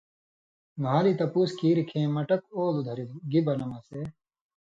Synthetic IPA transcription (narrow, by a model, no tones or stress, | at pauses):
ɡʱaːlit̪ɐpuːskiːɾkʰẽːmɐʈɐk̚oːlud̪ʱɐɾid̪ɡibɐnɐmɐse